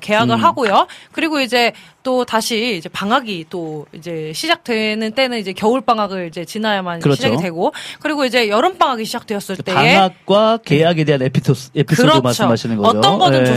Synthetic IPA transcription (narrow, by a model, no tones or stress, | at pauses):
ke̞jaɡɯɭɦaɡojokɯɾiɡoid͡ʑe̞t͈otaɕʰiːd͡ʑe̞paŋɦaɡit͈oid͡ʑe̞ɕʰid͡ʑak̚t͈we̞nɯnt͈e̞nɯnid͡ʑe̞kjʌuɭp͈aŋaɡɯɭid͡ʑe̞t͡ɕinajamanɯɾʌɕiaɡidwe̞ɡokɯɾiɡoid͡ʑe̞jʌɾɯnp͈aŋɦaɡiɕʰid͡ʑak̚t͈we̞jʌs͈ɯɭt͈eaeŋak̚k͈wakejaɡe̞deɦanepʰisʰosepʰisɯɾʌmaɭs͈ʰomɦaɕʰinɯnɡʌʌoʌɡʌdɯn